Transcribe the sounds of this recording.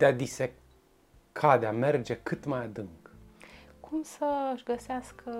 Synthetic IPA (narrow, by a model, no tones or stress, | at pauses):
d̪̥ead̪ise | kʰad̪eamerd͡ʒekɨt̪majad̪ɨŋk | kʰumsəɨʃɡəseaskʰə